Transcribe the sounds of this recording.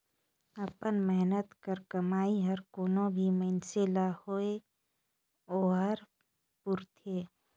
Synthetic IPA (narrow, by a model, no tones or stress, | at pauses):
əpənmɛɦnət̪kəɾkəmaːiɦəɾkoːnõbʱiməɪnselahoe | oːɦəɾ | pʊɾt̪ʰeː